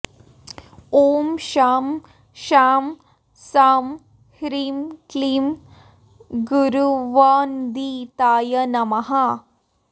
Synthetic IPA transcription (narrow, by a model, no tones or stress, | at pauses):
oːmɕaːm | ʃaːm | saːm | hɾiːmklim | ɡuɾuʋaːnd̪it̪aːjɐnɐmɐɦa